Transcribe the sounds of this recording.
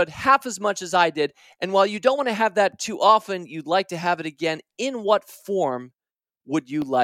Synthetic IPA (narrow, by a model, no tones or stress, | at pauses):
t̚hæfəzmʌt͡ʃɨzaɪdɪɾ | ʔɨ̃nwaɪlˠjɨdõʊ̃n̚ʔwɑñɨɨvðɨtʰʉʔɑfɨ̃njɨdˡlaɪk̚tɨəvɨɾɨɡɛ̃nɪ̃nwʌtfɔɹm | wəd͡ʒɨla